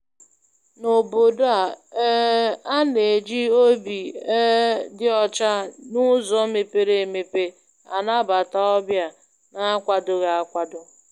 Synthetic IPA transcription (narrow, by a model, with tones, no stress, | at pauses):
no˨bo˨da˨˦ | a˦ne˨d͡ʒi˦o˦bi˨ɛ˦dɪ˦ɔ˦t͡ʃa˦nʊ˦zɔ˦me˨pe˦ɾe˨me˨pe˨ | a̰˨na˦ba˨ta˦ɔ˦bja˦ | na˦kʷa˨dʊ˨ɣa˨a˦kʷa˨dʊ˦